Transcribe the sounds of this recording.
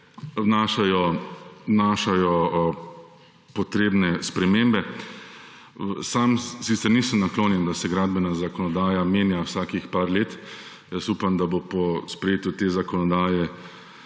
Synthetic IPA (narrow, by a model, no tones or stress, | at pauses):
wnaːʃajɔwnaːʃajɔ | pɔt̪ɾeːbnɛspɾɛmeːmbɛ | samsit̪sɛɾniːsəmnakloːnjɛnd̪asɛɡɾaːd̪̚bɛnazakɔnɔd̪aːjameːnjawsaːkixpaːɾleːt̪ | jəsuːpamd̪abopɔspɾɛjeːt̪ut̪eːzakɔnɔd̪aːjɛ